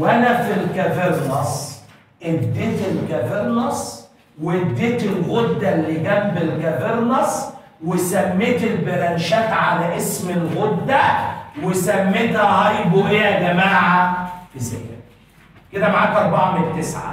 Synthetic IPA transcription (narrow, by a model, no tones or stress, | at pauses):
wʔænæfilkæfeɾˤnɑsˤ | ʔed̪ːeːt̪ɪlkæveɾˤnɑsˤ | wed̪ːeːt̪ɪlɣod̪ːælːiɡæmbɪlkæveɾnɑsˤ | wesæmːeːt̪ɪlbeɾˤænʃæːt̪ʕalæʔesmɪlɣod̪ːæwesæmːeːt̪hæhɑjbohejæɡæmaːʕafizæ̰kæ̰ | ked̪æmaʕaːt̪ʔɑɾˤbaʕamɪnt̪ːesʕa̰